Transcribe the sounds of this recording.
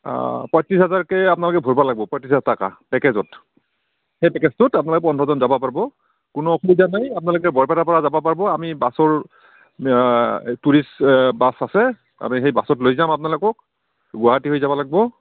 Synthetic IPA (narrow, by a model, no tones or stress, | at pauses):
pɔjtɹisɦɛzaɹkɛapnalʊkɛbʱoɹbɔlaɡ̚bɔpɔjtɹisataka̰pɛkɛzɔt | xejpɛkɛstʊtap̬unalokɛpɔndʱɹɔzɔnzabapaɹibɔ | kʊnɔːkʰulizanajapʊnalʊkɛbɔɹpɛɾapɔɹazabɔpaɹibɔamibasɔɹ | tuɹisbasasɛ | a̰mixejbasɔtlojzamap̬nalʊkɔk̚ | ɡʊaɦatiɦojzabɔlaɡ̚bɔ